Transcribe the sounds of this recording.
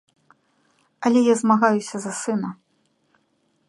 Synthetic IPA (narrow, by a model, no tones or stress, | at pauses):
ɐlʲɛjazmaɣajusʲɐzɐsɨnɐ